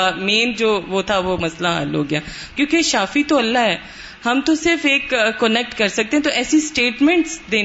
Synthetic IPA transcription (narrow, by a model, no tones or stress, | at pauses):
ameːnd͡ʒoːʋot̪ʰaʋomɐslaɦa̰ːlo̰ːɡjaː | kjõːkeʃaːfit̪oɐlːaɦɛː | hɐmt̪osɪɾfeːkːənɛk̚ʈkɐɾsɐk̚t̪eɦɛ̃t̪oʔɛːsisʈeːʈmɛ̃ɳʈsd̪eː